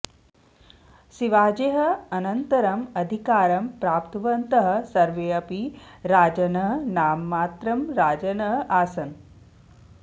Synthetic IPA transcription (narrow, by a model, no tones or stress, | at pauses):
siʋaːd͡ʒeːɦɐɐnɐnt̪ɐɾɐmɐd̪ʱikaːɾɐmpɾaːpt̪ɐʋɐnt̪ɐɦɐ̆sɐɾʋeːɐpiɾaːd͡ʒɐnɐɦnaːmːaːt̪ɾɐmɾaːd͡ʒɐnɐɦʔaːsɐn